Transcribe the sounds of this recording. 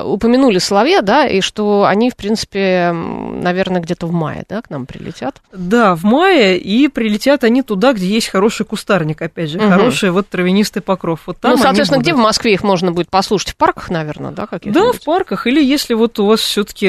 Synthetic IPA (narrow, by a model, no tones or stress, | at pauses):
ʊpəmʲɪnulʲɪsəlˠɐvʲjed̪aʔḭʂt̪o̞ɐ̰nʲifpɾʲinsɨ̥pʲɪ | nɐvʲe̞rnəɡdʲe̞t̪əvma̰jɪ̰d̪aknampɾʲɪ̰lʲɪ̰tʲat̪d̪avmajɪipɾʲɪlʲɪtʲat̪ɐnʲit̪ʊd̪aɡdʲejesʲtʲxɐɾo̞ʂɨjkʊst̪arnʲɪkɐpʲædʲʐɨxɐɾo̞ʂɨjəvo̞t̪ːɾəvʲɪnʲist̪ɨjpɐkɾo̞fvo̞t̪ːanmsɐːvenəɡ̚dʲevmɐskvʲeixmo̞ʐnəbudʲɪt̪̚pɐslˠuʂə̥tʲfparkə̥xnɐvʲe̞rnə̰d̪a̰kɐkʲid̪afʲparkəxilʲɪjesʲlʲɪvot̪ʊvasfsʲot̪ə̥kʲɪ